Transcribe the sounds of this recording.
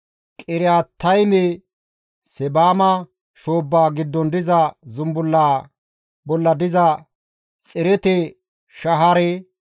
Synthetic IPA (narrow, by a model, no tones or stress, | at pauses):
kʼɪɾɪjaːt̪ːɐjmɛ | sɛbaːmɐ | ʃoːbːaːɡɪd̪ːɔnd̪ɪzɐzʊmbʊlːaː | bɔlːɐd̪ɪzɐ | t͡sʼɪɾɛt̪ɛ | ʃɐɦɐɾɛ